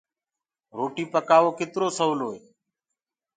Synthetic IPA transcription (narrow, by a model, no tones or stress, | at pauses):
ɾoːʈiːpəkaːʋoːkɪt̪ɾoːsəːloːeː